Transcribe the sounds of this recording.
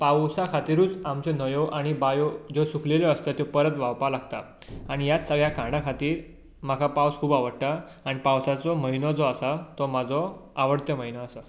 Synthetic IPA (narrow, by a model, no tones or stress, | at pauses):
pawsakʰat̪iɾuːt͡samt͡ɕenəjɔʔaɽ̃ibajɔd͡zosukʰleleəst̪at̪jopəɾət̪ʋaʋpalaɡt̪a̰ | aɽ̃ijat͡ssəɡɭjakãɽakʰat̪iːɾ | m̤akʰapawskʰuːbaʋəɽʈa | aɽ̃ipawsat͡sɔməɦinɔd͡zɔasat̪ɔmad͡zɔaʋəɽt̪jəməɦinɔasa